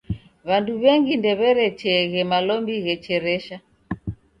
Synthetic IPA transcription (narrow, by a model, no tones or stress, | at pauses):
βanduβɛŋɡindɛβɛɾɛt͡ʃɛɣɛmalɔmbiɣɛt͡ʃɛɾɛʃa